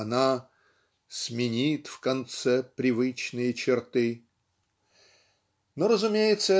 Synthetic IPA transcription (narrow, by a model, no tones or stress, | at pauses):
na | smʲɪnʲit̪fkɐnt̪sɛpɾʲɪvɨt͡ɕnɨjət͡ɕɪrt̪ɨ | noɾəzʊmʲejɪt̪səɛ